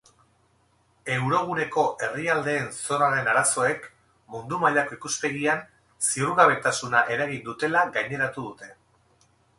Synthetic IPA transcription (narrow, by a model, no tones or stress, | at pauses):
e̞wɾo̞ɣ̞une̞ko̞ʔe̞riald̪e̞ːnso̞ɾaɾe̞naɾaso̞e̞k | mund̪umaʎako̞ikuspe̞ɣ̞ian | siuɾɣaβe̞t̪asunaʔe̞ɾaɣind̪ut̪e̞laɡajɲe̞ɾat̪uð̞ut̪e̞